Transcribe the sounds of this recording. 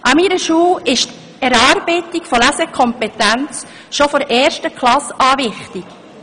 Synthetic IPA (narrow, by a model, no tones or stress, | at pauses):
ʔɑmiːɾəʃuːɪʃt | ɛɾɑːɾb̥ɛɪtikfɔlæsɛkʰɔmpɛt̪ænt͡s | ʃofɔɾʔɛːɾʃtəkʰlɑsɑːʋɪχtɪk